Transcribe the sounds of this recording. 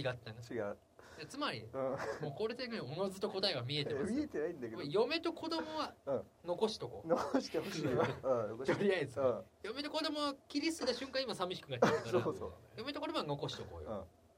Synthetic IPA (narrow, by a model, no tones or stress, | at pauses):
t͡ɕiɡat̪ːãŋt͡ɕiɡa | d̪at͡sɨmaɾʲḭɯ̃moːko̞ːɾet̪eŋɡaɲio̞no̞zɨt̪o̞ko̞t̪aeβamʲie̞t̪emʲiet̪enaĩnd̪akeojo̞me̞t̪o̞kʰo̞d̪o̞mo̞βaɯ̃ː | no̞ko̞ɕi̥t̪o̞ko̰ːnokoɕi̥t̪ehoɕ | oooɾʲiaizɨ̃ːjo̞me̞t̪o̞kod̪o̞mo̞βakʲiɾʲist̪od̪eɕɨ̃ŋkãɰ̃imasamʲiɕi̥kɯ̟ɡat̪ʲeɯkaso̰ːjo̞me̞t̪okod̪o̞mo̞ano̞ko̞ɕi̥t̪o̞ko̞̰ːjoɯ̃ː